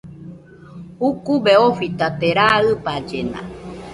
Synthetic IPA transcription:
hukubeofit̪at̪eɾaɨpad͡ʒena̰

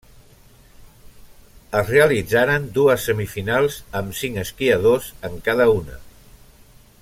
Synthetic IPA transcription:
əzreəlid͡zaɾənd̪uəsːəmifinalˠzəmsiŋəskiəðozəŋkaðəunə̰

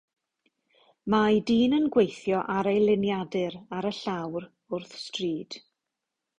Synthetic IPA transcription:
majdiːnənɡwejθjɔʔaɾejlˠɪnjadɨɾaɾəɬawr | ʊrθstriːd̥

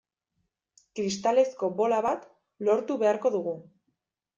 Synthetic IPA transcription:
kɾist̪ale̞sko̞bo̞laβat̪ | lo̞ɾt̪uβe̞aɾko̞ðuɣu

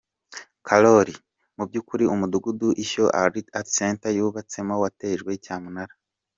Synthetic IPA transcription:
kʰaloɾi | mub̚ɟuːkuɾiumuduɡuduʔiço̞ʔa̰ɾitaseːntajuːβat͡se̞mo̞wate̞ːʒɡwe̞icaːmunaɾa

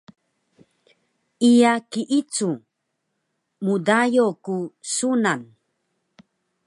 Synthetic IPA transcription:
ijakiʔit͡su | mudajokusunan

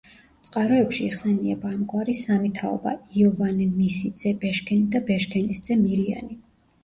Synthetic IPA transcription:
t̪sʼqʼaɾɔɛpʃiːχsɛniɛbaːmɡʼwaɾisamit̪ʰaɔ̰ba̰iɔvanɛmisid̪z̥ɛbɛʃkʰɛnid̪abɛʃkʰɛnɛsd̪z̥ɛmiɾia̰ni

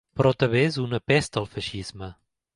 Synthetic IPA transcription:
pɾɔt̪əβezunəpɛst̪əlˠfəʃizmə

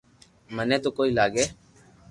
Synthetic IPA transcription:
mənẽːt̪oːkoːiːlaːɡeː

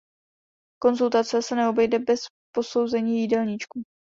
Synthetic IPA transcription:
ko̞nzult̪at͡sɛsɛnɛo̞bɛjdɛbɛs | po̞so̞wzɛɲiːjidɛlɲit͡ʃku

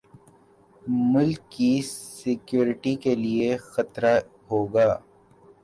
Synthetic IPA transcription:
mʊlkːisɪkjuːɾɪʈikeliexɐt̪ɾa | ɦoːɡaː

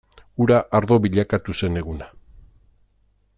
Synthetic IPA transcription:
uɾaʔaɾðo̞βiʎakat̪use̞ne̞ɣuna

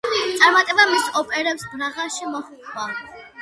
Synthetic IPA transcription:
t̪ʼaɾmat̪ʼɛbamisɔpʼɛɾɛpsbɾaʁaʃimɔχukʼʰwa

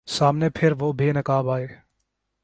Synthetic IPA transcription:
saːmnepʰɪɾʋoːbʱinɐkaːbaːeː

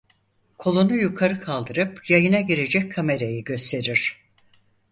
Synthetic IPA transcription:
kʰo̞lˠunujukʰaɾɯkʰalˠd̪ɯɾɯpjajɯnaɟiɾe̞d͡ʒɛc̚kʰːame̞ɾejiɟø̞st̪ʰe̞ɾiɾ̥

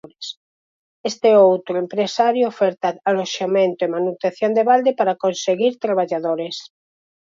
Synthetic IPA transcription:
ɾes | est̪eɛowt̪ɾoempɾesaɾjoofɛɾt̪aaloʃamẽnt̪oemanut̪enθjond̪eβald̪epaɾakonseɣiɾt̪ɾaβ̞aʎaðoɾes

